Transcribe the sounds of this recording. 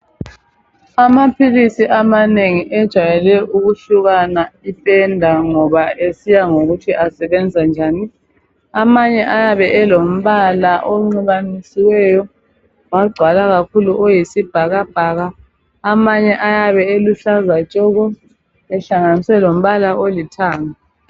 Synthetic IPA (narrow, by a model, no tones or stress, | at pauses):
amapʰilisiʔamaneŋiʔɛd̥ʒ̥ʱajɛlɛʔuɣuɬuɣanaipʼɛndʱaŋɔβaʔesijaŋoɣutʰiʔasɛβɛnd͡zʱand͡ʒʱaːni | amaɲɛʔajaβɛʔɛlom̩βalaʔoŋ͡ǀiβanisiwɛjɔ | waɡ͡ǀʱwalaɣakʰuluʔojisib̥ʱaɣab̥ʱaːɣaː | maɲɛʔajaβɛeluɬazat͡ʃʼɔɣɔ | ɛɬaŋaniswɛlom̩βalaʔolitʰaːŋa